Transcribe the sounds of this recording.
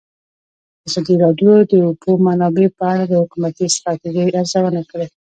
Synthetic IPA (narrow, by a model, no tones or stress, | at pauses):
azɑd̪iɾɑɖjod̪əbomanɑbepəaɽad̪əhʊkumat̪ist̪ɾɑt̪iʒiʔaɾzawənakəɽe